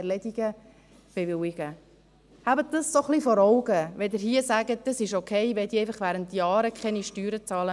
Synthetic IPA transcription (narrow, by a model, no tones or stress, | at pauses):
ɛlɛdiɡ̥ə | b̥eʋɪwɪɡ̥ə | habət̚d̥əsːoχlifɔɾɔʊɡəʋɛdɪɾɦiəsæɡəd̥əsɪʃokʰɛɪʋɛd̪ieɪfɑχʋæːɾəntːjɑːɾəkχɛniʃtyːɾət͡sɑːlə